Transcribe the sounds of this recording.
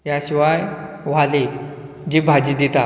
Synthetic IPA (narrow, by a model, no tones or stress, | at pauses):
jaɕiʋaj | ʋ̤ali | d͡ʑibʱad͡ʑid̪it̪a